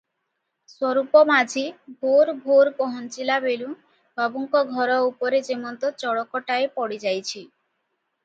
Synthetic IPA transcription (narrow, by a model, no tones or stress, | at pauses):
swɔɾupɔmad͡ʒʱibʱoɾbʱoɾpɔɦɔnt͡ʃilabelũ | bʱabuŋkɔɡʱɔɾɔupɔɾed͡ʒemɔnt̪ɔt͡ʃɔɽɔkɔʈaepɔɽid͡ʒajt͡ɕʰi